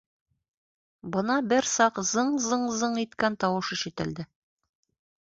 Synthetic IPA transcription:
bɤ̆nɑbɘɾsɑqzɤɴzɤɴzɤɴit̪kænt̪ɒwɤʃĭʃɘ̆t̪ɘ̆ld̪ɘ

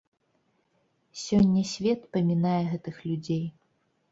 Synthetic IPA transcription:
sʲɔnʲːɐsʲvʲɛt̪pɐmʲinajɛɣɛt̪ɨxlʲud͡zʲej

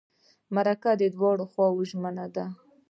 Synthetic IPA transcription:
maɾakad̪əd̪wɑɽoxwɑwʒmənad̪a

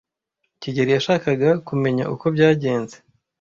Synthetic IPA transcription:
ciɟeɾijaʃaːkaɡakume̞ɲa̰ʔuko̞bɟaːɟe̞ːnze

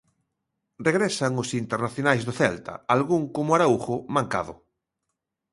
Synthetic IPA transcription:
rreɣɾɛsaŋʊsint̪eɾnaθjonajzðoθɛlt̪a̰alɣuŋkomʊaɾauxʊmãŋka̰ðʊ̰

